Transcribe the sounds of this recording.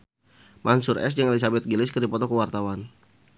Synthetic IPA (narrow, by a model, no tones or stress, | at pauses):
mʔansʊɾʔɛ̰s̬d͡ʒəŋelis̬abɛt̪̚ɡilɪskərdipɔt̪ɔkəwart̪awan